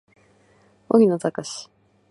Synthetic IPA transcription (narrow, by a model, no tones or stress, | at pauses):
o̰ɡʲinot̪akaɕi̥